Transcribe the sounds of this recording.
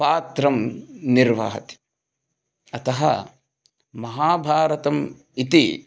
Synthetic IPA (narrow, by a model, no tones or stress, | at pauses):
paːt̪ɾɐmniɾʋa̰ːɦɐt̪i̥ | ɐt̪ɐɦɐ̰ | mɐɦaːbʱaːɾɐt̪ɐm | it̪i